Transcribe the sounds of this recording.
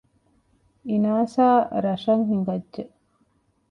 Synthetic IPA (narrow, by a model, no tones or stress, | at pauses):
inaːsaːɾɐʂɐŋɦiŋɡɐdːʒe